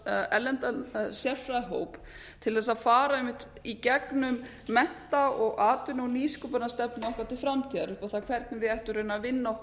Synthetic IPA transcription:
ɛlːɛnt̪asjɛɾfɾaðɦo̰ːwp | t̪ʰɪlθɛs̬ːaðfaːɾaɛmːɪht̪icɛknʏmː | ɛn̥t̪aɔɣʔaːt̪ʏnɔwniːskʏpaɾnast̪ɛpnɪnɔhkvaɾt̪ʰɪlfɾamt̪ʰiːðaɾʏhpaθakʰvɛɾt̪nɪvɪðɛjht̪ʏɾʏːnavɪnːaw

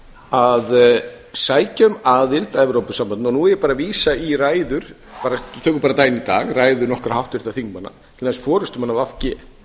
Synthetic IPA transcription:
að | saːjcaʏmaðɪlt̪aɛvɾowpʏsampanɔnuɛjɛpaːɾaviːsairaːjðʏɾ̥ | paːɾat̪ʰœːkʏɾpaːɾat̪aːjɪnit̪a̰ːɣraːjðʏɾnɔhkɾahawht̪ʏɪɾ̥θaθiŋkmanːa̰t̪ʰɪlaɛsfɔːɾʏst̪ʏmanːavafcɛː

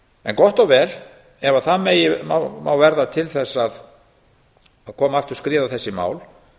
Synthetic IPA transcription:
ɛ̰nkɔht̪ɔwvɛːl | ɛvaθaðmeːjɪma̰wmaːwvɛɾðat̪ʰɪlθɛsːað | aðkʰɔːmaft̪ɪɾ̥skɾɪːðaθɛsːɪma̰ːwl

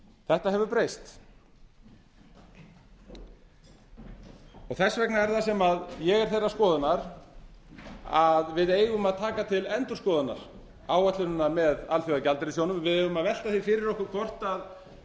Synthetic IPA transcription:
θɛht̪aɦɛvʏpɾejst̪ | ɔɣθɛsːvɛknaɛɾθasɛmaðjɛɣɛɾ̥θejrːaskɔːðʏnaɾ̥ | aðvɪðeːjɣʏmaðt̪ʰaːkat̪ʰɪlɛnt̪ʏɾ̥skɔːðʏna̰ɾ̥ | aːwɛt̪lʏnʏnːaɾmɛðalθjɔɣacalt̪ɪɾɪsjownʏmvɪðejɣʏmaðvɛl̥t̪aθifɪːɾɪɾɔhkʏɾkʰvɔr̥t̪að

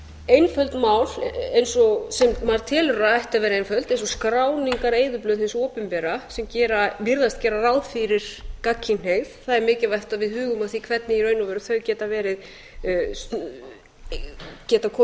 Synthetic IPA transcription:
ejnfœlt̪maːwl̥ejnsɔsɛmmaɾ̥t̪ʰɪːlraajht̪avɛːɾejnfœlt̪ejnsɔskɾaːwniŋkaɾeːjðʏplœːðθensoːpʏmpɛːɾasɛmcɛːɾavɪɾðast̪cɛːɾaraːwðfɪɾɪɾ̥kacʰːɪneɣðθaðɛɾmɪːcɪvajht̪avɪðhʏːɣʏmaðθikʰvɛt̪nɪiɾœːɥnʏvɛːɾʏθœɥcɛːt̪avɛːɾɪð | cɛːt̪akʰɔ

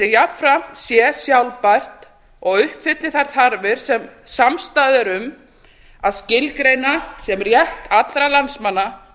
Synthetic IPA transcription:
ɪjapfɾam̥t̪sjɛsjawlpar̥t̪ | ɔɣʏhpfɪt̪lɪθaɾ̥θaɾvɪɾ̥sɛmsamst̪aːðɪɾʏm | aðscɪlkɾejnasɛmrjɛht̪at̪lɾalansmanːa

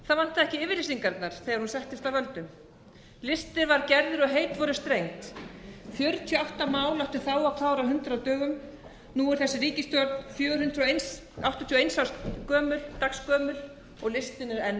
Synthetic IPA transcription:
θaðvan̥t̪aðɛhcɪɪːvɪɾlɪsiŋkaɾt̪naɾ̥θɛːɣaɾhunsɛht̪ɪst̪awvœlt̪ʏm | lɪst̪ɪɾvaɾcɛɾðʏɾɔɣɦeːjt̪vɔɾʏst̪ɾejŋt̪fjœɾt̪ʰiɔawht̪amaːwlawht̪ʏ̥θaːwakʰaːwɾaɦʏnt̪ɾat̪œːɣʏm | nuːɛɾ̥θɛsːɪɾiːcɪst̪jɔɾt̪̚nfjœːɣʏɾhʏnt̪ɾejns | awht̪t̪ʰjiɔejnsawskœːmʏlt̪akskœːmʏl | ɔɣlɪst̪ɪnɪɾɛn

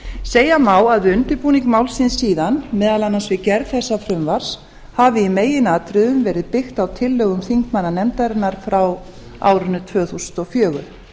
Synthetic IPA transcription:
seːjamaːwaðvɪʏnt̪ɪɾpuːniŋkmaːwlsɪnsːiːðanmɛːðalanːansvɪcɛɾðθɛsːafɾʏmvaɾ̥s | havɪimeːjɪnaːt̪ɾʏðʏmvɛːɾɪðpɪxt̪awt̪ʰɪlːœːɣʏmθiŋkmanːanɛmt̪aɾɪnaɾ̥fɾaw | a̰ːwɾʏnːʏt̪ʰvœːθusʏ̥nt̪ɔɣfjœːɣʏ̰ɾ

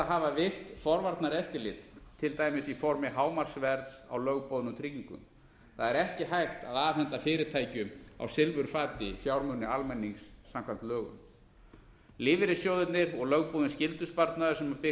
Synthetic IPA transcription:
aɦavavɪr̥t̪fɔɾvaɾt̪naɾɛfc̪ɪlɪt̪t̪ʰːɪlt̪aːjmɪsifɔɾmɪɦaːwmar̥svɛɾðsa̰wlœɣpowðʏnʏt̪ʰɾiːciŋkʏ̰m | θaðɛɾɛhcɪɦajxt̪aðaːɦɛnt̪afɪːɾɪɾt̪ʰajcʏma̰wsɪlvʏɾ̥faːt̪ɪfjawɾmœnːɪalmɛnːiŋsːamkʰam̥t̪lœːɣʏ̰m | lɪːvɪɾɪsjowðʏt̪nɪɾɔɣlœɣpowðʏnscɪlt̪ʏspaɾt̪naðʏsɛmapɪ

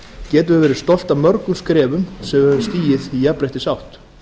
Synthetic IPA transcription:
cɛːt̪̬ʏvɪvɛːɾɪɾst̪ɔl̥t̪aðmœɾkʏmskɾɛːvʏmsɛmɛvʏst̪iːjɪðijapɾajht̪ɪsawht̪

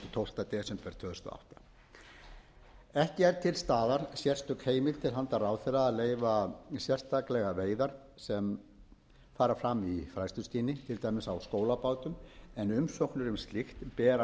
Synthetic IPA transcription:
t̪ʰowl̥t̪at̪ɛːsʏmpɛɾ̥t̪ʰv̥œːðʏst̪ɔ̰a̰wht̪ḁ | ɛhcɪɛɾt̪ʰɪlst̪aːðaɾ̥sjɛr̥st̪ʏkheːjmɪð̥t̪ʰɪlɦant̪araːwθɛraːðleːjvasjɛr̥st̪ʰaklɛɣaveːjðaɾ̥ | sɛm | faːɾafɾamːifɾajst̪ʏ̥st̪iːnɪt̪ʰɪlt̪aːjmɪsawskoːwlapawt̪ʏmɛnʏmsowknʏɾʏmst̪lixt̪pɛːɾa

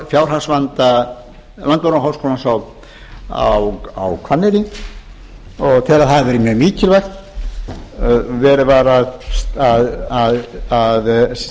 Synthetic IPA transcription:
fjawr̥hansvant̪a | lant̪vawɾaɦaːwskowlansaw | a̰wa̰wkʰvanːɪɾɪ | ɔɣt̪ʰɪlaðθaðvɛːɾɪmjœːmiːcɪlvajxt̪ | vɛːɾɪvaɾaðaðaðað

